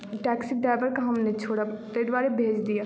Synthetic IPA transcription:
ʈɛːksiɖɾaːʋəɾkaɦɐmnet͡ʃʰoːɽat̪ed̪ʋaːɾebʱeːd͡ʒd̪ijaː

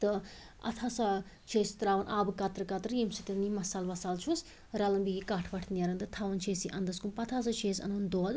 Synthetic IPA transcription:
t̪ɨ | ɐ̰t̪ʰaːsat͡ʃʰeːst̪ɾaːʋɐnʔaːbɨkɐt̪ɾɨkɐt̪ɾjimsit̪it̪nimɐsaːlʋɐsaːlt͡ʃʰus | ɾɐlɐmbiɡikaːʈʰʋɐʈ̪ʰnʲjaɾɐnt̪ɨt̪ʰaːʋɐnt͡ʃʰeːsiʔɐnd̪ɐskumpɐt̪ʰaːs̬ɐt͡ʃʰeːsɐ̰nond̪oːd̪

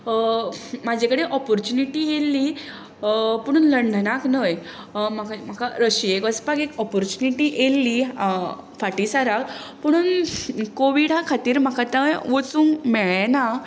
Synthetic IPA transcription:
mad͡ʑʱekəɽeʔɔpɔɾt͡ɕuniʈiːjelːi | pəɽ̃uːnləɳɖənaknəj | makam̤akaɾəɕiekəspakekɔpɔɾt͡ɕuniʈiʔelːi | faʈisaɾakpəɽ̃uːnkoʋiɽɦakʰat̪iːɾm̤akʰat̪ajʋot͡sũːŋkmɛɭena

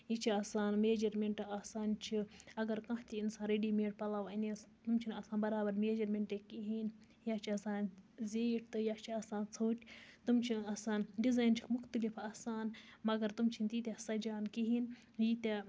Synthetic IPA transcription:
jit͡ʃʰiaːsaːnmeːd͡ʒɐɾmʲeɳʈɨaːsaːnt͡ʃʰiɐɡɐɾkɐɦt̪iinsaːnɾeɖiːmeːʈ̚pɐlaːʋɐnit̪umt͡ʃʰinɐsaːnbɐɾaːbɐɾmeːd͡ʒɐɾmʲeɳʈekiɦin | jaːt͡ʃʰiɐsaːnzeːʈ̚ʰt̪ɨjaːt͡ʃʰiaːsaːnt͡sʰoːʈʲt̪umt͡ʃʰinasaːnɖizaːjnt͡ʃʰi̥kʰmʊxt̪ɐlifaːsaːnmɐɡɐɾt̪umt͡ʃʰint̪iːt̪ʲesɐd͡ʒaːnkiɦiːn | jit̪e

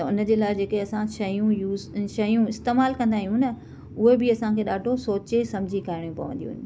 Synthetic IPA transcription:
t̪ɐʊnə̆d͡ʑeːlaːɪd͡ʑeːkeɐsãʃɐjũjuːʃɐjũɪst̪eːmaːlkɐ̃nd̪aːɦijũnɐ | ʊɦebɪɐsãkʰeːɗaːɖʱosoːt͡ɕesɐmd͡ʑʱikaɾɪɽ̃jũpɐ̰ʋə̰̃nd̪ijṵ̃ːn

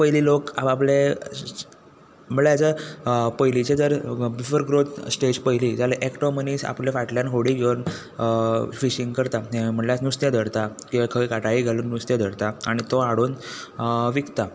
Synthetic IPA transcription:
pəɦiliːlokaaple | m̤əljad͡zapəjlit͡ɕed͡zəɾbifəɾɡɾot̪sʈed͡ʑpəjlid͡zaleʔekʈoməniːsa̰plefaʈljanɦoɽiɡewn | fiɕiŋɡkəɾt̪aem̤əɳljasnust̪jed̪ʱəɽt̪akĩʋakʰəjkaʈaiɡʱaluːnːust̪jad̪ʱəɽt̪aaɽ̃it̪oaɽuːn | ʋikt̪a

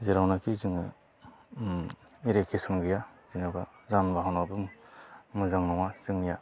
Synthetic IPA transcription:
zeɾawnakʰizɯŋɯ | iɾekʰisɯmɡɯjazinaɡazanbaɦawnabɯmmɯzaŋnɔŋazɯŋnija

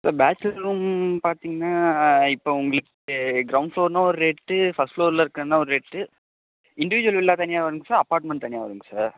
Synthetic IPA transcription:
saːɾbaːt͡ʃːlɐɾuːmpaːɾt̪iːŋɡɐnːaːɪpːoːʊŋɡɐɭɯkː | ɡɾɐʊɳɖfɭoːɾnãːɔɾɯɾeːʈːɯfɐsʈfɭoːɾlɐɪɾɯkːɾɐnːãːɔɾɯɾeːʈːɯ | ɪɳɖɪʋɪd͡ʒʊʋɐlɪlːaːt̪ɐnɪjaːʋɐɾɯŋɡɐsaːɾɐpaːɾʈmɛ̃ɳʈ̚t̪ɐnɪjaːʋɐɾɯŋɡɐsaːɾ

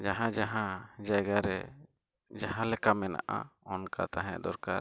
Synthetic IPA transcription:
d͡ʒaɦãd͡ʒaɦãd͡ʒajɡaɾɛ | d͡ʒaɦãlɛkamɛna̰ʔa̰ɔnkʰa̰t̪aɦɛ̃d̪ɔɾkaɾ

